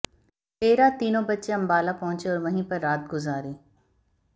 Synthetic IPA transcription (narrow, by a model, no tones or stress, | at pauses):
peːɾaːt̪iːnõbɐt̪ːʃeɐ̃mbaːlapɔɦʊ̃t͡ʃeɔːɾʋɐ̃ɦĩpɐɾːaːt̪̚ɡʊzaːɾiː